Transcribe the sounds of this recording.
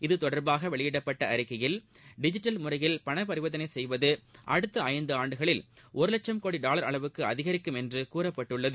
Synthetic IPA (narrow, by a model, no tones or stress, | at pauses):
ɪðɯt̪ɔɽɐɾbaːɣɐʋɛɭɪjɪɽɐpːɐʈːɐɐɾɪkːɐjɪl | ɖɪd͡ʒɪʈːɐlmʊrɐjɪlpɐɳɐpɐɾɯʋɐðɐnɐɪsɛjʋɐðɯʔɐɽɯt̪ːɐɐjɐnd̪ɯaːɳɖɯɣɐɭɪlʔɔɾɯlɐt͡ʃːɐmkoːɽiɖaːlɐɾɐɭɐʋɯkːɯɐðɪɣɐɾɪkːɯmɛndrɯkuːrɐpːɐʈːɯɭːɐðɯ